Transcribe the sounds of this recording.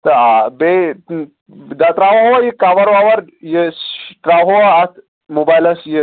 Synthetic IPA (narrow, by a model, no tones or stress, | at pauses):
t̪əabe | d̪at̪ɾaʋɦojikaʋəɾʋaʋəɾjesʈɾaʋɦoat̪ʰ | mobajlɐsje